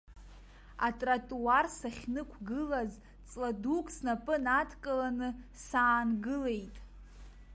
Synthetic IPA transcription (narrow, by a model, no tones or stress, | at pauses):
a̰tʼratʼuarsaχʲnɨkʷʰɡɨlaz | t͡sʼladukʼsnapʼɨnatʰkʼalanɨsaːnɡɨle̞jtʼ